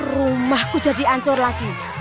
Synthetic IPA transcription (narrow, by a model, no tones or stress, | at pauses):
rumahku̥d͡ʒ̥a̤d̪i̤aɲt͡ʃʊrlaɡ̥i